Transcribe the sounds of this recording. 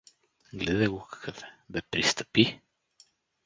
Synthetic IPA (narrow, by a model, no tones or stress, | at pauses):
ɡlɛd̪ɛɡokʰḁkʰəfɛ̥bɛpɾist̪əpi